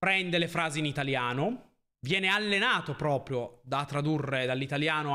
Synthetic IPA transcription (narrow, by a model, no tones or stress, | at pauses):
ɾɛnd̪elefɾaːziinit̪aljaːno | vjɛːnealːenaːt̪opɾɔːpɾjod̪at̪ːɾad̪urːed̪alːit̪aljaːno